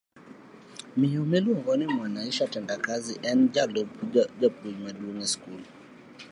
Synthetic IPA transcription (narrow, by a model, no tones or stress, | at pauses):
miɔmɛliɔŋɡɔnimwanaiʃaatɛndakaziʔɛnd͡ʒalɔbd͡ʒab̚dumadunɛskul